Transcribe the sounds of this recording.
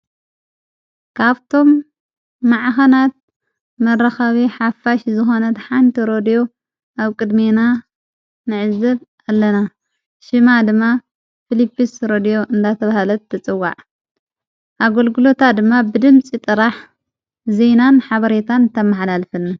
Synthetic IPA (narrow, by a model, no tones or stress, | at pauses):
kʰaβt̪ʰo̞mː | aʕxɐnat̪̚ | mɐrɐxaβiħafaʃzɨxo̞nɐt̪ħant̪ʰiɾo̞d̪ijo̞ | ʔaβkʼɨd̪mena | nɨʕɨzːɨβ | alːɐna | ʃɨmad̪ɨmːa | filipːisɾod̪ijo̞ʔɨnd̪at̪ʰɐβahalɐt̪ʰːɐt͡sʼɨwːa̰ʕ | ʔaɡolɡulo̞t̪ʰad̪ɨmːabɨd̪ɨmt͡sʼit̪ʼɨɾaħ | zenanħaβɐɾet̪ʰant̪ʰɐmːaħlalfɨnːa